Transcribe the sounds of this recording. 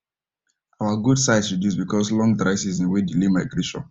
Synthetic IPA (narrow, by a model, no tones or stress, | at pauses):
awaɡudsaɪsɹidjusbikʰɔslɔ̃ŋdɹaɪsizĩnwedilimaɪɡɹeʃɔ̰̃n